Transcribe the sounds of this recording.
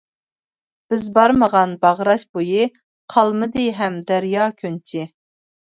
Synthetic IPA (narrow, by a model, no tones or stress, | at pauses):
b̥ɪzbɑɾməʁɑnbɑʁɾɑʃbojɨ | qʰɑlˠmɨd̪ɨɦɛmd̪æɾjɑːkʲʰønt͡ʃʰɪ